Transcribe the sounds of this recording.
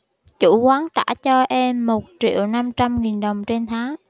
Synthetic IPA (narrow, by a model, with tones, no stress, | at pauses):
t͡ɕṵ˧˩kwaː˨˦ŋt̪a̰ː˧˥t͡ɕɔ˧ʔɛ˧mːo˨˩t̚t͡ɕḭ˧˨əwna˧mt͡ɕa˧mŋi˨˩nɗə˨˩wŋ͡mt͡ɕe˧nt̪ʰaː˨˦ŋ